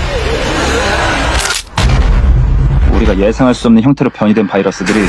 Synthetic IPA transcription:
ṵɾiɡaje̞sʰaŋɦaɭs͈uʌmnɯnçʌŋtʰeɾopjʌɲidwe̞npaiɾʌs͈ɯdɯɾi

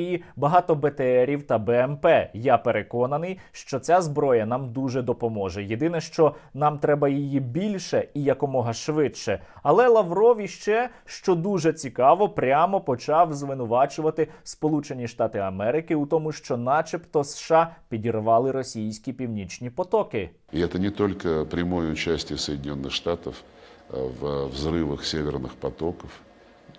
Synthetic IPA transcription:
jibɐɦɑt̪ɔbet̪eɛɾʲiwt̪ɐbɛɛmpɛjapeɾekɔnɐnɪj | ʃt͡ʃɔt͡sʲazbɾɔjɐnɑmd̪uʒɛd̪ɔpɔmɔʒɛjed̪ɪnɛʃt͡ʃɔnɑmt̪ɾɛbɐjijibʲilʲʃɛijɐkɔmɔɦɐʃʋɪtʃɛ | ɐlˠɛlˠɐʋɾɔʋʲiʃt͡ʃɛ | ʃt͡ʃɔd̪uʒɛt͡sʲikɑʋɔpɾʲamɔpɔt͡ʃɑwzʋɪnʊʋɑt͡ʃʊʋɐt̪ɪspɔlˠut͡ʃenʲiʃt̪ɑt̪ɪɐmɛɾɪkɪʊt̪ɔmʊʃt͡ʃɔnɑt͡ʃept̪ɔsʃɑpʲidʲirʋɑlˠɪɾɔsʲijsʲkʲipʲiwnʲit͡ʃnʲipɔt̪ɔkɪ | ɪɛt̪ənʲɪt̪olʲkəpɾʲɪmojəʊt͡ɕæsʲtʲɪjəsəjdʲɪnʲo̞nːɨxʂt̪at̪əf | a̰vvzɾɨʋəxsʲevʲɪrnɨxpɐt̪okəf

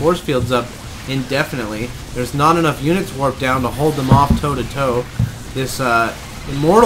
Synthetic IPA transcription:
ɔɹsfilˠdzʌp | ɨ̃ndɛfɨnɨtˡli | ðə˞znəɾɨnʌfjʉnɨtswɜ˞k̚d̥ãʊ̃ntəɦoʊlˠd̪̚ðə̃mɔftʰoʊɾɨtʰoʊ | ðɪsʌ | ɨmɔɹ

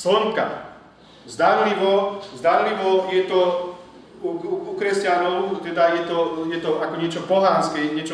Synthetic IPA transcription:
sɔŋka̰ | zd̪aɾliʋɔzd̪aɾliʋɔjɛt̪ɔ | uuukɾɛscanɔʊt̪ɛd̪ajɛt̪ɔjɛt̪ɔakɔɲɪɛt͡ʃɔpɔɦanskɛɲɪɛt͡ʃɔ

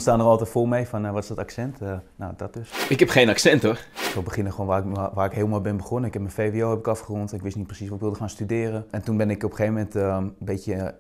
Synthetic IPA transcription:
staːnərɔlˠtɛtfomɛjfɔnʋɔtɪsdɔtaksɛntnadɔt̚døsɪkɦɛpxeːnaksɛntorsobəxɪnəxʋoːnʋaːʋaːɪkɦeːlˠmɔlbɪnbəxonənɪkʰɛp̚mənfeːʋioːɛpɪkɑfχərɔntɛnɪkʋɪsnit̚prəsisʋɔtɪkʋɪlˠdəxaːnstydɪːrəɛntunbɪnɪkopəxeːvəmɛntəbetjə

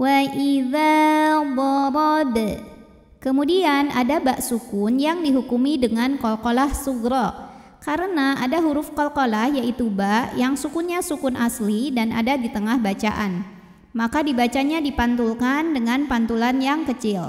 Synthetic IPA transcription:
waʔiðawɔɾɔd̪ | kəmudiana̰dabaʔsukʊnjaŋdiɦukumidəŋankolkolahsuɡɾɔ | kaɾənaʔadaɦuɾʊfkɔlkolahjaʔit̪ubaʔjaŋsukunɲasukʊnʔaslidana̰dadit̪əŋahbat͡ʃa̰ʔan | makadibat͡ʃaɲadipant̪ulkandəŋanpant̪ulanjaŋkət͡ʃɪl

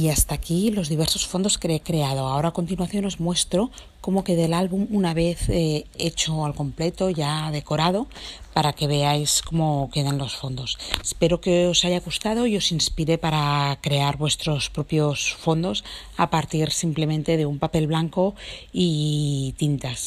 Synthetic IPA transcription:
iast̪aːkilo̞zðiβ̞e̞ɾso̞sfo̞nd̪o̞skeekɾe̞að̞o̞aoɾako̞nt̪inwaθjo̞no̞zmwe̞st̪ɾo̞ | ko̞mo̞ke̞ðelalβumunaβ̞e̞θeet͡ʃo̞alko̞mple̞t̪o̞ʝaðe̞ko̞ɾað̞o̞paɾake̞β̞e̞ajsko̞mo̞ke̞ðanlo̞sfo̞nd̪o̞se̥spe̞ɾokeo̞saʝaɣust̪að̞o̞io̞sinspiɾe̞paɾakɾe̞aɾβwe̞st̪ɾo̞spɾo̞pjo̞sfo̞nd̪o̞s | a̰paɾt̪iɾsimple̞mẽ̞nt̪e̞ðe̞umpape̞lβlaŋkoit̪int̪as

